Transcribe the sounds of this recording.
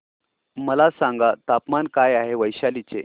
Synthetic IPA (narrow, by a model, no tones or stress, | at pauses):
məlasãŋɡat̪apmankajaɦeʋəjɕalit͡se